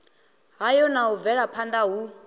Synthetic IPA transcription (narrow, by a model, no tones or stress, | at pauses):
ɦajɔnaɦuvɛɺapʰand̪aɦu